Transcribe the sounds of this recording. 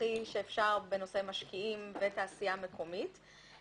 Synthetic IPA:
iʃeːfʃaʁbeno̞se̞jmaʃkiimvetaːsijame̞kʰo̞mit

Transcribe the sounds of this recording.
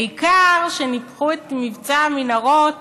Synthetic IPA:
ikaʁʃenipχuet̪mivt͡saminaʁot

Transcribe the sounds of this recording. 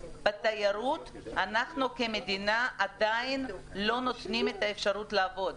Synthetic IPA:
b̥at̪ajaɾut | anaχnukeme̞d̪inaʔad̪ajinlo̞no̞t̪nimet̪aefʃaʁut̪laːvo̞d̪

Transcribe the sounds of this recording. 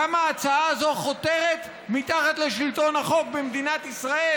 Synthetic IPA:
amaːt͡saaːzo̞χo̞t̪e̞ʁet̪ | mit̪aχat̪leʃilt̪o̞naχo̞k̚bemd̪inat̪isʁae

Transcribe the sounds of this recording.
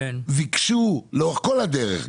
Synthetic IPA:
vikʃuloχkolad̪eʁḛχ

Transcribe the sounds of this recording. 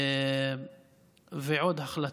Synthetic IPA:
veʕod̪ɦaχla

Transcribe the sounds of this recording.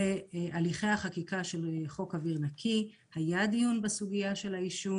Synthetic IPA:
eʔaliχe̞jhaχakikaʃe̞lχo̞kaviʁnakʰi | hajad̪ijunbasuɡijaʃe̞laiʃu

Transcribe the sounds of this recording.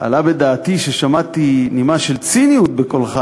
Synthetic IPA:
ʔa̰labed̪aːt̪iʃeʃamat̪inimaʃelt͡sinijut̪̚bekolχa

